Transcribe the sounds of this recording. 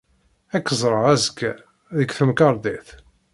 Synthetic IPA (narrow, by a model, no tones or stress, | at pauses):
ækːəzˤɾˤəʁæzkːæ | ðəɡθəmkɑɾˤd̪eθ